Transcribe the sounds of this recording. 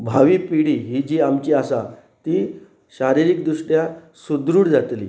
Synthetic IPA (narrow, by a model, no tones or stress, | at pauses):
bʱaʋiːpiɽiɦid͡ʑiːamt͡ɕiasa | t̪i | ɕaɾiɾik̚d̪uɕʈja | sud̪ɾuːɽd͡zat̪lḭː